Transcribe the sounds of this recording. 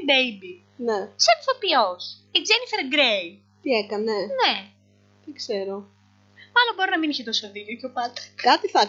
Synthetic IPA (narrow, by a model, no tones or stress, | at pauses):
ibejbi | neseɐnθopios | iɡzenifeɾɡɾej | t̪iekɐne̞ne | t̪ikse̞ɾo | mɐlo̞mbo̞ɾinɐminiçet̪o̞sɐðicocopɐt̪ɐ̥kɐt̪iθɐ